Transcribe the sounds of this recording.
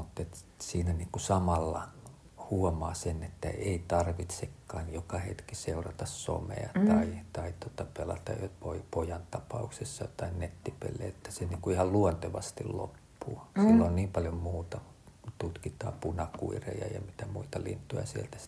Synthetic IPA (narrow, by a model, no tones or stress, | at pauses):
mut̪ːet̪ | siːnæniːŋkusɑmɑlːɑ | huomɑːsenet̪ːæ̰ʔeit̪ɑrʋit̪sekːɑːnjokɑhet̪kiseurɑt̪ɑsso̰mḛɑt̪ɑit̪ɑit̪uot̪ɑpelɑ̰t̪ɑjjopoipojɑnt̪ɑpɑuksesːɑt̪ɑinnet̪ːipḛlːḛːet̪ːæ̥seniːŋkuihɑlluont̪eʋɑst̪illo̰pːuːsilːonniːmpɑljommuːt̪ɑ | t̪ut̪kit̪ɑ̰ːpunɑkṵirḛijɑ̰jɑ̰mit̪æmuit̪ɑlḭnt̪ːˑujɑ̰sielt̪æ